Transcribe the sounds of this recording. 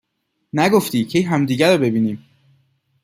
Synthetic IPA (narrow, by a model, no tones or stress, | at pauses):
næɡoft̪iːcʰejɦæmd̪iːɟæɾɔbe̞biːniːm